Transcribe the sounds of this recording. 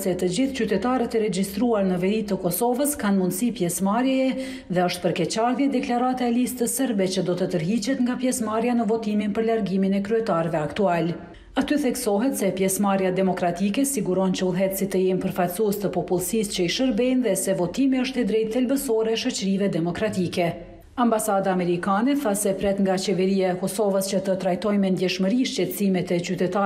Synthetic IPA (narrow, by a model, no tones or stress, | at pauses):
sɛt̪əd͡ʑiθt͡ɕyt̪ɛt̪aɾət̪ɛɾɛd͡ʑist̪ɾuaɾnəvɛɾit̪əkɔsɔvəskanmund̪sipjɛsmaɾjɛɛ | ðɛəʃt̪̚pəɾkɛt͡ɕaɾðjɛd̪ɛklaɾat̪aɛlist̪əsɛɾbɛt͡ɕəd̪ɔt̪ət̪əɾɦit͡ɕɛt̪ŋɡapjɛsmaɾjanəvɔt̪iminpəɾlaɾɡiminɛkɾyɛt̪aɾvɛakt̪ual | at̪yθɛksɔɦɛt̪sɛpjɛsmaɾjad̪ɛmɔkɾat̪ikɛsiɡuɾɔnt͡ɕəulˠɦɛt̪sit̪əjɛmpəɾfatsuɛst̪əpɔpulˠsist͡ɕəiʃəɾbɛnðɛsɛvɔt̪imiəʃt̪ɛd̪ɾɛjt̪ːɛlbəsɔɾɛʃət͡ɕəɾivɛd̪ɛmɔkɾat̪ikɛ | ambasad̪aːmɛɾikanɛθasɛpɾɛt̪ŋɡat͡ɕɛvɛɾijaɛkɔsɔvəst͡ɕət̪ət̪ɾajt̪ɔjmɛnd̪jɛʃməɾiʃt͡ɕɛt̪əsimɛt̪ɛt͡ɕyt̪ɛt̪a